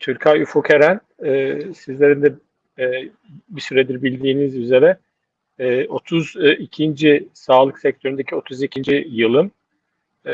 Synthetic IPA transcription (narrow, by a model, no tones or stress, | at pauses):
t̪ʰyɾcʰajyfukʰeɾæn | ɛːsizlʲe̞ɾind̪ɛ | bisyɾed̪iɾbilʲd̪iːnizyze̞ɾɛ | ɛo̞t̪ʰuzicʰind͡ʒisaːlˠɯksɛc̚t̪ʰøɾynd̪ecʰio̞t̪ʰuzicʰind͡ʒijɯlˠɯm